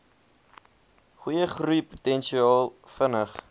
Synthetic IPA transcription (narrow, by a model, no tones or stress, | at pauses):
χujəχrupu̥tɛnʃiɑːlˠfənəχ